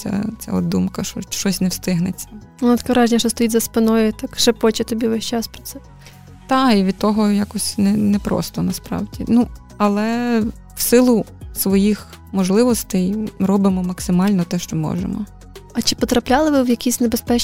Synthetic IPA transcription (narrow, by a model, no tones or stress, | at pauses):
t͡sʲa̰t͡sʲa̰ɔd̪umkɐʃɔʃt͡ʃɔsʲnɛwst̪ɪɦnɪt͡sʲːɐ | ʊnɐt̪kɐɾɑʒnʲɐʃɔst̪ɔjitʲzɐspɪnɔjʊt̪akʃɐpɔt͡ʃɐt̪ɔbʲiʋɛʃʲt͡ʃɑspɾɔ̥t̪sɛ | t̪ɑiʋʲid̪̚t̪ɔɦɔjakɔsʲnɛnɛpɾɔ̰st̪ɔnɐspɾɑ̰wdʲḭnu | ɐlˠɛ | wsɪlˠʊsʋɔjix | mɔʒlˠɪʋɔst̪ɛjrɔbɪmɔmɐksɪmɑlʲnɔt̪ɛʃt͡ʃɔmɔ̰ʒḛmɔ | ɐt͡ʃɪ̥pɔt̪ɾɐplʲalˠɪʋɪwjɐkʲisʲnebespɛ